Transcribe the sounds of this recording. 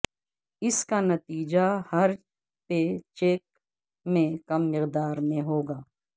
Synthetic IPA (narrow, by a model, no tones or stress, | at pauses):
ɪskanɐt̪iːd͡ʒahɐɾ | pet͡ʃeːk̚ | mẽkɐmːɪqd̪aːɾmẽɦoːɡaː